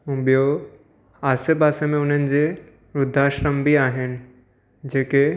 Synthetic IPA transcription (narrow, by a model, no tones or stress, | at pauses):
ũɓijo | aːsebaːsemẽʊn̤ənɪ̆d͡ʑeː | ɾʊd̪ʱːaːʃɾəmbʱiaːɦɪnɪ̆ | d͡ʑeːke